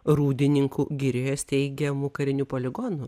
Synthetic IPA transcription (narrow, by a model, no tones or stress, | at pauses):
ɾuːd̪ʲɪnʲɪŋkuɡʲɪɾʲejost̪ʲɛɪɡʲɛmʊkɐɾʲɪnʲuːpoːlʲɪɡɔnʊ